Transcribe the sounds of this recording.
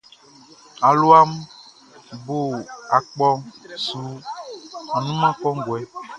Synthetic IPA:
a˨lo˦a˦m | bo˦˨a˨k͡pɔ˦ŋsu˨˦ | a˨nũ˦mã˦kɔ˦ŋ˦ɡwɛ˨˦

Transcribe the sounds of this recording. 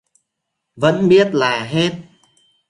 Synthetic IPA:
və̰˧˥nɓi˦˥ət̚laː˨˩ɦe˦˥t̚

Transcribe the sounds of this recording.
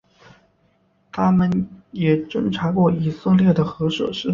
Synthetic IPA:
t̪ʰa˥mə˨njɛ˨˩ʈ͡ʂə˥ŋʈ͡ʂʰa˧˥kwɔ˥˩i˧˨˩sə˥˧ŋljɛ˥˩d̪ə˩xɤ˧˥ʂɤ̰˨˩ʂɻ̩˥˩

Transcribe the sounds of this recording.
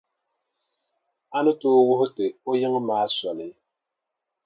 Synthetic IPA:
a˦nɨ˦toː˦wʊ˦hʊ˦tɨ˨o˦jɪ˦ŋ˦maː˦sɔ˨lɨ˨˦

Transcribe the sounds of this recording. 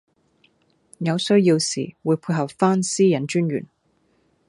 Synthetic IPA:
jɐ˨˧wsɵ˥ɥji˧wsḭː˨˩wuː˨˧jpʰuː˧ɦɐ˨p̚faː˥nsiː˥jɐ˨˥nt͡ʃyː˥nɥy̰˨˩n

